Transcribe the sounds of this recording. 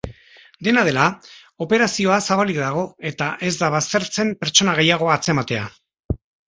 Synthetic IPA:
d̪e̞naðe̞la | o̞pe̞ɾasio̞asaβalikðaɣ̞o̞e̞t̪aʔe̞zd̪aβast̪e̞ɾt͡se̞mpe̞ɾt͡ʃo̞naɣe̞jaɣ̞o̞at͡se̞mat̪e̞a

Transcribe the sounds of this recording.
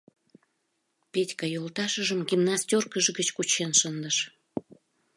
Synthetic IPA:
petʲkɑjolt̪ɑʃəʒəmɡimnɑst̪ʲorkəʒɡət͡ɕkut͡ɕenʃənd̪əʃ

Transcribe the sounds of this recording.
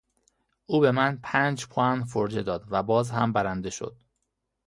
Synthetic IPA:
uːbe̞mænpʰæːnd͡ʒpʰɒænfoɾd͡ʒe̞d̪ɒːd̪væbɒːzɦæmbæɾænd̪e̞ʃo̞̰d̪̥̚

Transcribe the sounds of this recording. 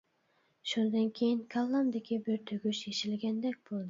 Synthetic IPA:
ʃund̪ɑnkʲʰejɪnkʰalˠːamd̪ekʲɪbɪɾt̪ʰøɡʲyʃeʃɪlɡʲɛnd̪ɛk̚ʲb̥olˠd̪ɪ

